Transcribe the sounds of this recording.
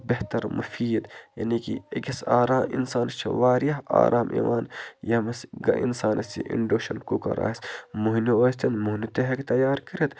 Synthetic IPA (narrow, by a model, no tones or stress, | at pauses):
beht̪ɐɾmṵfiːd̪jɐ̰nikḭeɡesaːɾaːmḭnsaːnɐst͡ʃʰḭʋaːɾijɐɦa̰ːɾʔaːmʔḭːʋaːnjɐmɐsɡɐ̰ʔḭnsaːnʔɐst͡ʃḭʔḭɳɖoːʃɐnkuːkɐ̰ɾa̰ːismuɦnioːst̪ɐnmuɦnit̪eɦɐkt̪ɐjaːɾkɐɾet̪